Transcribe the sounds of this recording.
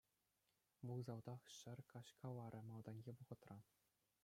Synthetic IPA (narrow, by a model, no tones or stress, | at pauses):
ʋulzɑld̪ɑχɕɘ̆rʲkɑɕkʰɑlɑɾʲʔɘ̆mɑlˠd̪ɑnʲɡʲeʋuʁɤ̆t̪rɑ